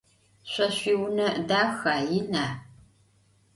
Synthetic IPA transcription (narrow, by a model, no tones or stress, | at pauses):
ɕʷɐɕʷiːwnɐdaːxaːjɪnaː